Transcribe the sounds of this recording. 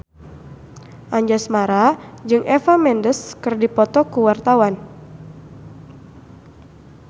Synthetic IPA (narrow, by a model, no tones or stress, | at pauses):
ʔaɲd͡ʒasmaɾad͡ʒɨŋʔɛfamɛndəskɨrdipɔt̪ɔkuwart̪awan